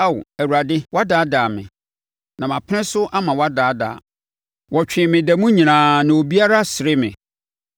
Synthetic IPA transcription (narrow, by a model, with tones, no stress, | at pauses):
a˦˨wæ˨wu˨ɾa˨dɪ˦wɔ˦a˦daː˨˦daː˨mɪ̰̃˨ | nã˨mã˨pʰɪ˦ɪ̃˦sʊ˦ʔa˦mã˨wɔ˦a˦daː˨˦da̰ː˨ | wɔ˨t͡ɕᶣɪ̃˨mɪ̃˨dæ˨mũ˦ɲĩ˨nãː˨nã˨wo˨bi˦a˦ɾa˦sɪ˨ɾɪ˦mɪ̰̃˨